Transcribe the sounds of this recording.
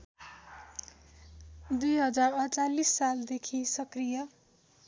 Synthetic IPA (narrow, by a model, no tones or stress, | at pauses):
d̪ujɦʌd͡zarʌt͡salisːald̪ekʰisʌkrijʌ